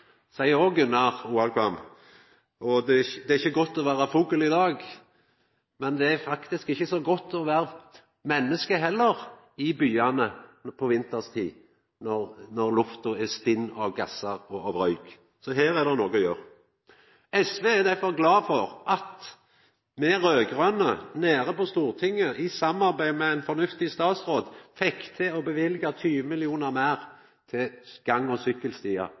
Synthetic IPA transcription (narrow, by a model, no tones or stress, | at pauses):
sæɪəɾɔɡʉnːɑɾuːɑlkʰʋɑm | ɔd̪ɛd̪ɛæɾɪçːəɡɔt̪ːɔʋæːɾɑfuːkəlɪd̪ɑːɡ | mɛnd̪ɛæfɑkt̪ɪskɪçːəsɔɡɔt̪ʰːɔʋæːɾə | mɛnːəskəɦɛlːəʁ | ɪbyːɑnəpʰɔʋɪnt̪əst̪ʰiː | nɔʁnɔʁlʊft̪ʊɛst̪ɪnːɑʋɡɑsɑɾɔɑʋɾœʏɡ̥ | sɔɦeːɾɛd̪ɛnoːɡɔjøːʁ | ɛsʋeːɛd̪æfɔʁɡlɑːfɔʁʔɑt̪ | mɛʁøːɡʁœnəneːʁəpɔst̪uːʁt̪ʰɪŋːəʔɪsɑmːɑɾbæɪmɛæɪnfɔnʉft̪ɪst̪ɑːt̪sʁoːd̪fɛkt̪ʰɛɔbəʋɪlɡɑt̪ʰyːʋəmɪlɪuːnɑʁmæːʁ | t̪ʰɪɡ̥ɑŋːɔsʏkːəlst̪iːɑ̰